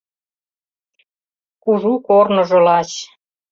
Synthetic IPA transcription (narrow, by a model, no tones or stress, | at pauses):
kuʒukornŏʒɤ̆lɑt͡ɕ